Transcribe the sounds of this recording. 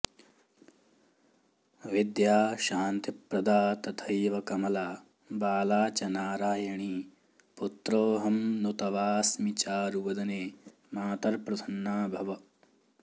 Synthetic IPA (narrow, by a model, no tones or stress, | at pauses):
ʋid̪jaːʃaːnt̪ipɾɐd̪aːt̪ɐt̪ʰɐjʋɐkɐmɐlaː | baːlaːt͡ʃɐnaːɾaːjɐɳiː | put̪ɾoːɦɐmnut̪ɐʋaːsmit͡ʃaːɾuʋɐd̪ɐneː | maːt̪ɐɾpɾɐd̪ʰɐnːaːbʱɐʋɐ